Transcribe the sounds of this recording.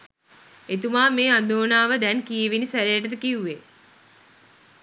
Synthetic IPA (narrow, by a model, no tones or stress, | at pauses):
et̪umaːmeːad̪oːnaːʋəd̪ɛnkijeʋinisæɾejəʈət̪əkiuːe